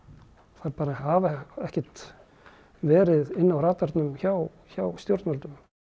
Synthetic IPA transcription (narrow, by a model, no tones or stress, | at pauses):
θaɾpaːɾahavɛhcɛt̪ | vɛːɾɪðɪnːawɾaːt̪aɾt̪nʏmçaw | çawst̪jowɾt̪nalt̪ʏm